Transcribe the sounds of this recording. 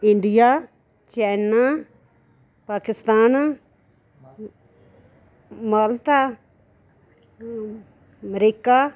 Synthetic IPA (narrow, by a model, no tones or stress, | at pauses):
ɪɳɖijaː | t͡ʃɛːnaː | paːkɪst̪aːn | malt̪aː | mɾiːkaː